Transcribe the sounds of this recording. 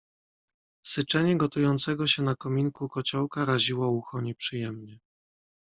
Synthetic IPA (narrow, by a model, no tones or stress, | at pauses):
sɘt͡ʂɛɲɛɡɔt̪ujɔnt̪sɛɡɔɕɛnakɔmʲiŋkukɔt͡ɕɔwkaɾaʑiwɔuxɔɲɛpʂɘjɛmɲɛ